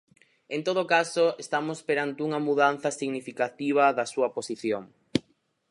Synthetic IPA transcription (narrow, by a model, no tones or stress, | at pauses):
ent̪oð̞okasoest̪amospeɾant̪euŋɐmuðan̟θɐsiɣnifikat̪iβ̞ɐðɐsuɐposiθjoŋ